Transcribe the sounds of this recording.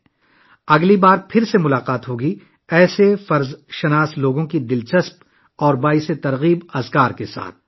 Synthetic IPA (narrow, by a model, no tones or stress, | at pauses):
ɐɡlibaːɾpʰɪɾsemʊlaːqaːt̪ɦoːɡi | ɛːsefɐɾzʃɐnaːsloːɡõkid̪ɪlt͡ʃɐsp | ɔːɾbaːiset̪ɐɾɣiːbɐzkaːɾkesa̰ːt̪̚ʰ